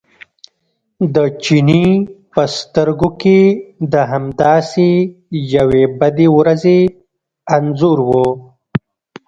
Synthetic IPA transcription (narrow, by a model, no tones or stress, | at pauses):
d̪ət͡ʃinipəst̪əɾɡoked̪əɦamd̪ɑːsejawebad̪ewɾaze | anzuɾwo